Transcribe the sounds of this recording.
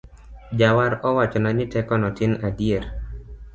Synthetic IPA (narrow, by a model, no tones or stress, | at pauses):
d͡ʒawaɾɔwat͡ʃɔnanɪtɛkɔnɔtɪnadieɾ